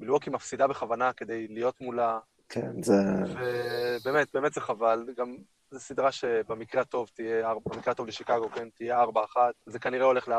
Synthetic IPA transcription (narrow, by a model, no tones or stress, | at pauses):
bilokimafsid̪abe̞χavanake̞d̪e̞jlijo̞t̪mula | kʰḛnzevebe̞ːmet̚beːmet̪zeχavalɡam | zesid̪ʁaʃe̞bemikʁeat̪o̞vt̪ijeaʁbamikʁeat̪o̞vleʃikaɡo̞kent̪ijeaʁbaːχat̪zekaniʁeo̞le̞χlea